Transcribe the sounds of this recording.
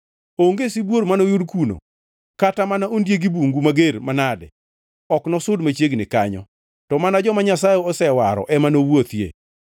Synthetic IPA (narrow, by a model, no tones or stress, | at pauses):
oŋɡesibwoɾmanojʊdkuno̰ | katamanaondjeɡibuŋɡumaɡeɾmanadɛ̰ | ɔknɔsʊdmat͡ʃjeɡnɪka̰ɲɔ̰ | tɔmanad͡ʒɔmaɲasajeɔsɛwaɾɔ̰ʔɛmanowot̪jḛ